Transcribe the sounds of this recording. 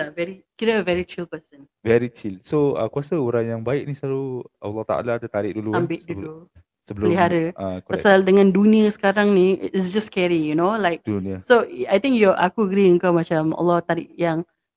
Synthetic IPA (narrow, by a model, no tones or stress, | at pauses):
avɛɾikiɾaəvɛɾit͡ʃilpəsə̃n | vɛɾit͡ʃilsoə̰kuasəuɾaŋjaŋbaɪʔ̚nisaɾua̰lːɔht̪a̰ʔa̰laːdat̪aɾɪʔ̚duluambɪʔ̚dulu | səbələliɦaɾəakpasaldəŋãnduniəsə̥kaɾaŋnḭɪsd͡ʒaskɛɹijunolajk̚duniəsoajt̪ɪ̃ŋkjɔʔa̰kuəɡɾiəŋkawmat͡ʃamɔ̰lːɔht̪aɾɪ̰ʔjaŋ